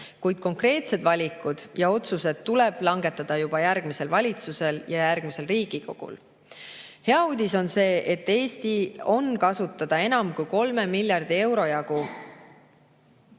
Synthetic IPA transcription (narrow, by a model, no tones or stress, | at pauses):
kujd̪̥̚ko̞ŋkre̞ːt̪se̞d̪vɑlʲikːˑud̪̥jɑo̞t̪suse̞d̪̥ːulɛb̥lɑŋɡe̞t̪ːˑɑd̪̥ɑjub̥ɑjærɡ̥mise̞lvɑlʲit̪suse̞ljɑjærɡ̥mise̞lriːɡ̥iko̞ɡ̥ṵl | he̞ɑuːd̪̥ʲiso̞nse̞ːʔet̪ːe̞ːst̪io̞nkɑsut̪ːˑɑd̪̥ɑe̞nɑmkujko̞lme̞milʲjɑrd̪̥ie̞wɾo̞jɑɡ̥u